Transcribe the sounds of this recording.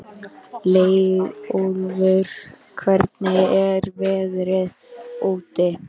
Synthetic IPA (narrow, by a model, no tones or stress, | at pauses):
leːjolvʏɾ̥ | kʰvɛɾt̪nɪɛɾvɛːðɾɪð | oːt̪ɪ